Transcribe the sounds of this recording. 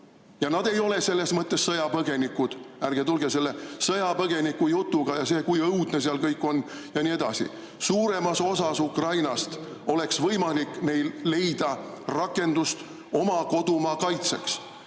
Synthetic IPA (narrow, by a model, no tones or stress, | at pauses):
jɑnɑd̪̥e̞jo̞le̞se̞lːe̞smɤt̪ːˑe̞sːɤjɑpɤɡ̥e̞nikːˑud̪̥ærɡ̥et̪ulɡese̞lːesɤjɑpɤɡ̥e̞nikːujut̪ːˑuɡ̥ɑjɑse̞ːkujɤwd̪̥ne̞seɑlkɤjkːˑo̞nː | jɑnʲie̞d̪̥ɑsḭ | suːɾe̞mɑso̞sɑsukrɑjnɑst̪ | o̞le̞ksvɤjmɑlikːˑne̞jllːe̞jd̪̥ɑrɑkːˑe̞nd̪ust̪ | o̞mɑko̞d̪̥umɑkɑjt̪se̞ks